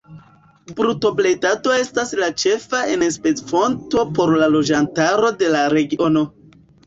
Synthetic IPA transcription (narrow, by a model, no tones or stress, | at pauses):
bɾuto̞ble̞jtato̞e̞staslat͡ʃe̞faenspet͡sfo̞nto̞po̞ɾlalo̞d͡ʒantaɾo̞de̞laɾe̞ɡio̞no̞